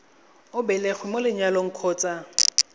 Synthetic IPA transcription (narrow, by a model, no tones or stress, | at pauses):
ʊbɛlɛχwɪmolɪɲaloŋ̩kʰɔːt͡sʼa